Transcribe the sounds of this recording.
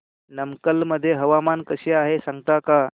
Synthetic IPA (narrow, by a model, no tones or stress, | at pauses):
nəmkəlməd̪ʱːjeɦəʋamankəɕeːaɦesãŋɡt̪aka